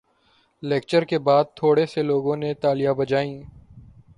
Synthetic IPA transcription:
leːk̚t͡ʃəɾkebaːd̪̚t̪ʰːoːɽeseloːɡõnet̪aːlɪjabɐd͡ʒaːĩː

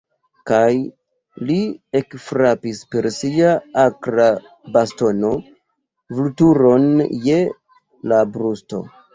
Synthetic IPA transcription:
kaj | lie̞kfɾapispe̞ɾsiaakɾa | basto̞no̞ | vlutuɾo̞nje̞ | labɾusto̞̰

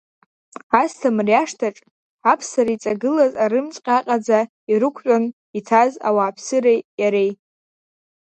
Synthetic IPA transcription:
astʰamriaʂtʰaʈ͡ʂʼ | apʰsaɾit͡sʼaɡɨlazaɾɨmt͡sʼqʲʼaqʼad͡za | iɾɨkʷʰʼon | itʰaza̰waːpʰsɨɾejjaɾe̞j

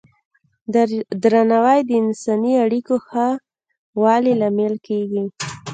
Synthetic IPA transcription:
d̪ɾanawajd̪əɪnsɑniaɽikoxa | wɑlilamelkeɡi

